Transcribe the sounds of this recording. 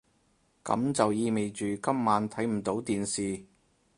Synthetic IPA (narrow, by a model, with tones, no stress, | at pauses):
kɐ̰˨˧˥mt͡sɐ˨wjiː˧me˨jt͡ʃyː˨kɐ˥mːaː˨˥nt̪ʰɐ˨˥jm̩˨˩t̪o˨˥wt̪iː˨nsiː˨